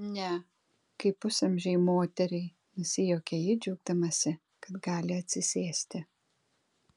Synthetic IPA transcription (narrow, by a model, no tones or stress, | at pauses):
nʲɛ | kɐɪpʊsɐmʲʒʲɛɪmoːt̪ʲɛɾʲɛɪ | nʊsʲɪjoːkʲɛjɪd͡ʒʲɛʊɡ̚d̪ɐmɐsʲɪ | kɐt̪ɡɑːlʲɪɐt̪ʲsʲɪsʲeːsʲt̪ʲɪ